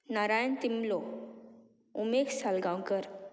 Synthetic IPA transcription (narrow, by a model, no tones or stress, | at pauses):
naɾajənt̪imlo | umeksalɡawkəɾ